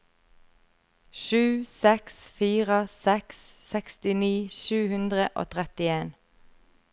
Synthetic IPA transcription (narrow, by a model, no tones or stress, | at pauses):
ʃʉːsɛksfiːʁəsɛksːɛkst̪ɪniːʃʉːhʉnd̪ʁəʔo̰ːt̪ʰʁɛt̪ɪeːn